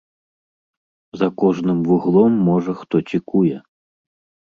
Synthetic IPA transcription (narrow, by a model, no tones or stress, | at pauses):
zɐkɔʐnɨmvuɣlˠɔmːɔʐɐxt̪ɔt͡sʲikujɛ